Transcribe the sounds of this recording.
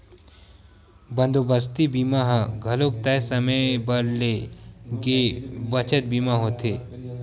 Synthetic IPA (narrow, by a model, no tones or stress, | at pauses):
bənd̪obəst̪ibiːmaɦãɡʱɐlok̚t̪ɐsɐməbɐɾleɡebət͡ʃət̪̚bimaɦot̪ʰeː